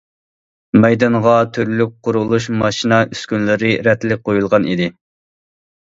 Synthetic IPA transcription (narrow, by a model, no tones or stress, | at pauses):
mɛjd̪ɑnʁɑt̪ʰyɾlyk̚ʲqʰʊɾulˠuʃmɑʃinɑʔyskʲynlɪɾɪɾɛt̪lɪk̚ʲqojulˠʁɑnid̪ɪ